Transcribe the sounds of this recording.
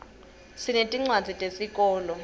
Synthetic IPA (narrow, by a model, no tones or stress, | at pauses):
sinetʼiŋ͡ǀwad͡zʱitʼesikʼɔːlɔ